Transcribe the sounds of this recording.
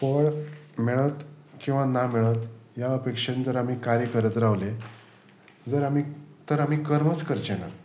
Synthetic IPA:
pəɭmeɭət̪ | kĩw̃ʋanamɛɭət̪jaəpekʂẽnd͡zəɾam̤iːkaɾjəkəɾət̪ɾaʋle | d͡zəɾamiːt̪əɾam̤iːkəɾmət͡skəɾt͡ɕena̰

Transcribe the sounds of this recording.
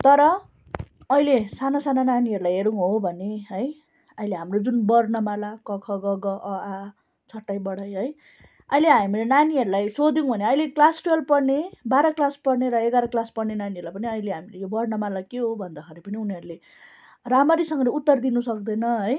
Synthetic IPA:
t̪ʌɾʌː | jlesanasanananiɦʌɾulajɦeɾuŋɦobʱʌneɦʌj | ʌjleɦamrod͡zunbʌrnʌmalakʌkʰʌɡʌɡʌʔʌa | t͡sʰʌʈːajbʌɽʌjɦʌj | ʌjleɦamilenaniɦʌɾulajsod̪iŋbʱʌneʌjleklasrʌlpʌrnebaɾʌklaspʌɽneɾʌeɡaɾʌklaspʌrnenaniɦʌɾulajpʌniʌileɦamilejobʌrnʌmalakeɦobʱʌnd̪ʌkʰʌɾepʌniuniʌɾule | ramʌɾisʌŋɡʌleut̪ːʌrd̪inusʌk̚d̪ʌjnʌɦʌj

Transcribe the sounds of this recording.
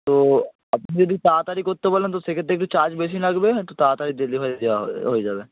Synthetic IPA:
t̪oː | əpnid͡ʒəd̪it̪aːt̪aːɾikoɾt̪ebələ̃nt̪osekəeːk̚ʈit͡ʃaːɾd͡ʒbeːs̬ĩləɡbet̪ot̪aːt̪aːɾid̪eliɦad̪eaɦoid͡ʒaːbeː

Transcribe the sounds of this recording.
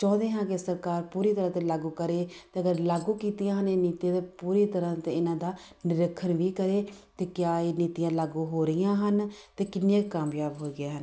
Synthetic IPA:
t͡ʃɔ̃ːd̪eːɦãːkesəɾkaːɾpuːɾiːt̪əɾãːt̪eːlaːɡuːkəɾeːt̪eːəɡəɾlaːɡuːkiːt̪ijãːɦəneːniːt̪ijãːt̪eːpuːɾiːt̪əɾãːt̪eːɪnãːd̪aː | nɪɾəkʰːənʋiːkəɾeːt̪eːkjaːeːniːt̪ijãːlaːɡuːɦoːɾəjãːɦənt̪eːkɪnːãːkkaːmjaːbɦoːiːɡɪjaːɦən

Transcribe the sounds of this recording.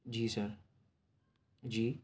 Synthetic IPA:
d͡ʒiːsəɾ | d͡ʒiː

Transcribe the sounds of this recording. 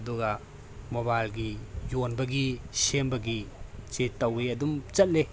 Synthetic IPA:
duɡɐ | mobalɡijonbɐɡisembɐɡit͡ʃetːɐweɐdumt͡ʃɐt̚le

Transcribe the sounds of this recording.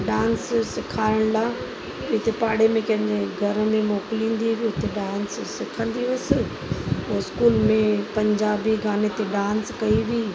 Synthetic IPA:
ɖãːnssɪkʰaːɪɽ̃laː | ɪt̪epaːɽemẽkɐ̃ɦɪ̃ɲd͡ʑeɡʱɐɾmẽmoːkɪlĩːn̆d̪iʋiɪt̪eɖãːnssɪkʰə̃nd̪iʋʊsɪ | oɪskuːlmẽpɐ̃ɲd͡ʑaːbiɡʱaːnet̪eɖãːnskɐiʋiː

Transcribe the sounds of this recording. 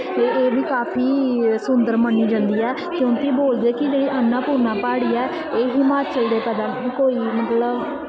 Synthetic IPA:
t̪eːeːbiːkaːpʰiːsʊnd̪əɾməniːd͡ʒãnd̪iːɛː | kjõːkiboːld̪eeːkɪd͡ʒeːɽiʔənːaːpuːɾnaːpaːɽiːɛː | eːɦiːmaːt͡ʃəld̪eːpɛːd̪aːikoːiːmət̪ləb

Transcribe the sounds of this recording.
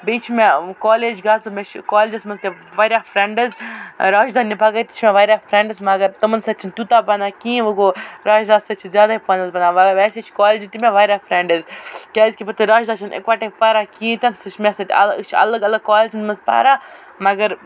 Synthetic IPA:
beːt͡ʃʰimekaːleːd͡ʒɡaːzt̪omʲet͡ʃʰkaːled͡ʒɐsmɐzt̪e | ʋɐːɾʲjaːfʰɾɛɳɖɐzɾaːʒd̪anːibʱɐɡɐt̪ʲi̥t͡ʃʰimẽʋaːɾʲjafʰɾɛɳɖɨzmɐɡɐɾt̪ɐmənsɐt͡ʃʰint̪ʲut̪aːbɐnaːkĩːʋɐɡoɾaːʒd̪aːsɐt͡ʃʰizʲjaːd̪aipɐnɐzbɐnaːʋɐɡʋɛsʲet͡ʃʰi̥kaːleːd͡ʒit̪imʲẽʋɐːɾʲjaːfʰɾeɳɖəzkʲaːzʲkʲipɐt̪ʰɨɾaːʒd̪aːt͡ʃʰɐnḛkʋaːʈepɐɾakĩːt̪ʲɐnsɐt͡ʃʰmʲẽsɐt̪ʲɐ̰lt͡ʃʰɐ̰lɐɡɐlɐɡkaːlet͡ʃʰinmɐzpa̰ːɾa | mɐɡɐɾ

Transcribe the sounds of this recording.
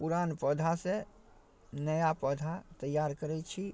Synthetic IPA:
puɾanpəd̪ʱase | nəjapəd̪ʱat̪əjaɾkəɾɛt͡ʃʰi

